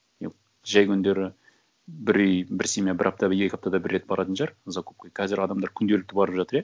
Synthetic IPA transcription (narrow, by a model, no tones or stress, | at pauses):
ḛ | ʒæjkʲʰʏnd̪e̞ɾɪ | bɪɾijbɪɾsemebɪɾʔɑp̚t̪ɑbɪe̞kʲɑp̚t̪ɑd̪ɑbɪrːe̞t̪̚bɑɾɑt̪ənʃɑɾzɑkʰop̚kajkʰɑzɪɾɑd̪ɑmd̪ɑɾkʲʰʏnd̪elɪk̚t̪ɪbɑɾəpʒɑt̪əɾe